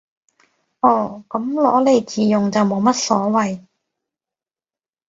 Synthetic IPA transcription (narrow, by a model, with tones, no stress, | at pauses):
ʔɔː˨˧˩kɐ˨˥mlɔ̰ː˨˥le˨˧jt͡siː˨˩jʊ˨ŋt͡sɐ˨wmo˨˧wmɐ˥t̚sɔː˨˥wɐ˨j